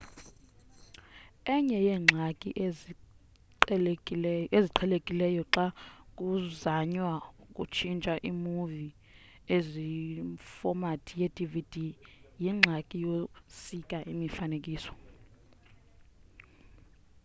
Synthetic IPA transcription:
ɛɲɛjɛːŋ͡ǁʱakʼiʔe | eziǃʰɛlekʼilɛjɔǁak̬ʼuzaɲwak̬ʼṵt͡ʃʰint͡ʃʼaʔimuvi | ezifɔmatʰijedʼivid̥ʱijiŋ͡ǁʱakʼijosikʼaʔimifanek̬ʼiːsɔ̥

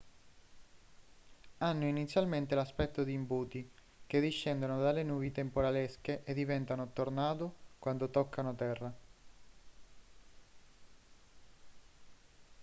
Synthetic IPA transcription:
anːoinit̪sːjalment̪elaspɛt̪ːod̪iːmbuːt̪i | k̟ed̪iʃːɛnd̪onod̪alːenuːvit̪empoɾaleskeʔed̪ːivɛnt̪anot̪ornaːt̪okwand̪ot̪okʰːanot̪ɛrːa

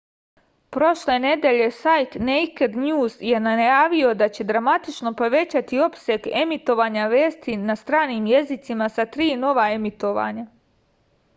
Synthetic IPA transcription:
pɾo̞ʃle̞ne̞d̪e̞ʎe̞sajt̪nejked̪ɲuːzje̞najaːʋio̞d̪at͡ɕe̞d̪ɾamat̪it͡ʃno̞po̞ʋe̞t͡ɕat̪io̞pseɡemit̪o̞ʋaːɲaʋe̞ːst̪inast̪ɾaːniːmje̞zit̪simasat̪ɾiːno̞ʋaemit̪o̞ʋa̰ːɲa

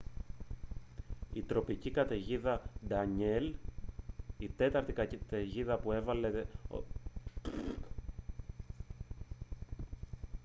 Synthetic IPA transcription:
it̪ɾo̞picikɐt̪eʝiðɐd̪ɐɲel | it̪e̞t̪ɐɾt̪ikt̪eʝiðɐpue̞vɐle̞e

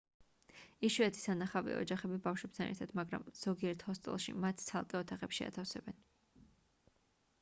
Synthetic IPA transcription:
iʃwɛt̪ʰi̥sanaχavɛ̰ɔ̰d͡ʒaχɛbibafʃwɛp̚t̪ʰanɛ̰ɾt̪ʰad̪̥maɡɾa̰mz̥ɔɡiɛɾt̪ʰhɔst̪ʼɛ̰lˠʃḭmat̪ʰt̪sʰalˠkʼɛɔt̪ʰaχɛpʃia̰t̪ʰafsɛbɛn

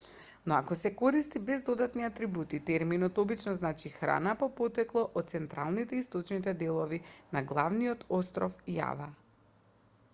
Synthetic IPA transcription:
nɔakɔsɛkoɾist̪ibɛzd̪od̪at̪niat̪ɾibut̪it̪ɛɾminɔt̪ɔbit͡ʃnɔznat͡ʃixɾa̰napɔpot̪ɛklˠɔʔɔt̪̚t̪sɛnt̪ɾalˠnit̪ɛist̪ot͡ʃnit̪ɛd̪ɛlˠɔvinaɡlˠavniɔt̪ʰost̪ɾɔfija̰va

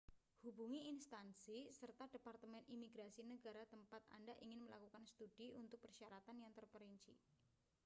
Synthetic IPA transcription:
hubuŋiːnst̪ansisərt̪ad̥epart̪əmɛnimiɡɾasinəɡaɾat̪əmpat̪a̰ndaʔiŋɪnməlakukansət̪ud̥iunt̪ʊk̚pərʃaɾat̪anjaŋt̪ərpəɾint͡ʃḭ

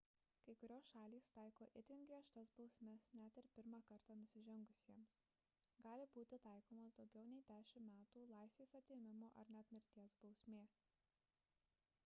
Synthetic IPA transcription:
kɐɪkʊɾʲoːsʃɑːlʲiːst̪ɑˑɪkoːʔɪt̪ʲɪŋɡɾʲiɛʃt̪ɐsbɒʊsʲmʲɛsnʲæt̪ʲɪɾpʲɪɾmɑːkɐɾt̪ɑːnʊsʲɪʒʲɛŋɡʊsʲiɛms | ɡɑːlʲɪbuːt̪ʲɪt̪ɑˑɪkoːmoːsd̪ɒʊɡʲɛʊnʲɛɪt̪ʲæˑɪsʲʊmmʲæːt̪uːlˠɑˑɪsʲʋʲeːsɐt̪ʲɪɪmʲɪmoːʔɐɾnʲɛt̪ʲmʲɪɾʲt̪ʲiɛsbɒʊsʲmʲeː

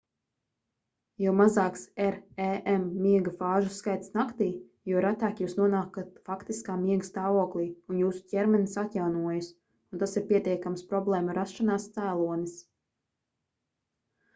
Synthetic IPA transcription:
jɛwmazaːksɛɾɛʔɛmːiɛɡafaːʒusːkajt̪snakt̪iː | juɔɾat̪aːkjuːsnuɔnaːkat̪fakt̪iskaːmiɛɡast̪aːvuɔklˠiːunjuːsu̥cʲɛɾmɛnisat̪jawnuɔjus | unt̪asiɾpʲiɛt̪ʲiɛkamspɾɔblˠɛːmuɾasʃanaːst̪sæːlˠuɔnis

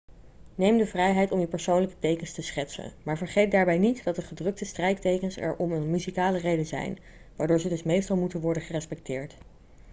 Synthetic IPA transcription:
nejmdəvrɛjɦɛjtɔmywpɛɹsownləkə̥tejkənstəsχɛtsə̰nmaːɹvəɹχejt̚daːɹbɛjnitdɑt̚dəχədrɵk̚təstrɛjttejkənsɛ̰ɹʔɔmənmyzikaːlərejdənzɛ̰jn | ʋaːɹdʊːɹzədɵsmejstɑlˠmutənʋɔɹdənχərɛspɛk̚tɪːɹt

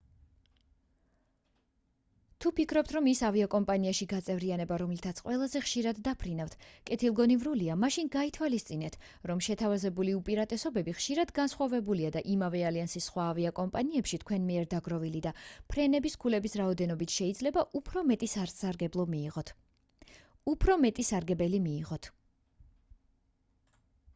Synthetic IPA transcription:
t̪ʰupikʰɾɔp̚t̪ʰɾɔmisaviakʼɔmpʼaniaʃiɡat̪sʼɛvɾianɛbaɾɔmlit̪ʰat̪sʰqʼwɛlˠazɛχʃiɾad̪ːapʰɾinavt̪ʰkʼɛt̪ʰilˠɡɔnivɾuliamaʃinɡait̪ʰwalist̪sʼinɛt̪ʰ | ɾɔmʃɛt̪ʰavazɛbuliupʼiɾat̪ʼɛsɔbɛbiχʃiɾad̪ɡansχwavɛbuliad̪aʔimavɛaliansisːχwaːviakʼɔmpʼaniɛpʃit̪ʰkʰwɛnmiɛɾd̪aɡɾɔvilid̪apʰɾɛnɛbiskʰulɛbisɾaɔd̪ɛnɔbit̪ʰʃɛid̪zlɛbaʔupʰɾɔmɛt̪ʼisaɾsaɾɡɛblˠɔmiːʁɔt̪ʰ | upʰɾɔmɛt̪ʼisaɾɡɛbɛlimiːʁɔt̪ʰ

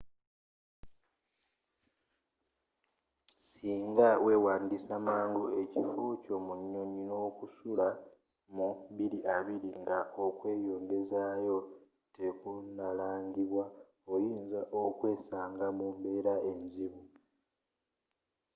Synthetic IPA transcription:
siːŋɡawʔe̞waːndisamaːŋɡue̞cifuco̞muɲːo̞ɲino̞ːkusula | muβiɾiʔaβiɾiŋɡaokwe̞ːjo̞ːŋɡe̞zajo̞ | te̞kunalaːɲɟiβwa | ojiːnzaʔokwe̞ːsaːŋɡamuːmbe̞ːɾae̞ɲziβu

